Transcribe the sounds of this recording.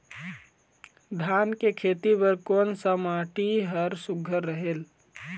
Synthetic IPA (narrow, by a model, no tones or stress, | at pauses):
d̪ʱaːnkekʰeːt̪ibəɾkoːnsəmaːʈiɦəɾsʊɡʱəɾːəɦel